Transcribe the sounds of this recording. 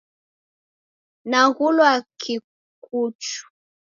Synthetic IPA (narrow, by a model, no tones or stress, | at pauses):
naɣulwakʰi | k̚ut͡ʃu̥